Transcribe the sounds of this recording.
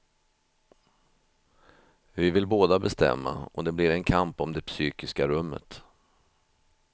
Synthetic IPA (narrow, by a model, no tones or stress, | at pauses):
vɪvɪlboːd̪abɛst̪ɛ̰mːa̰ɔd̪ɛblɪɾɛnkʰampɔmd̪ɛpsyːkɪskaɾɵmːə̰t̪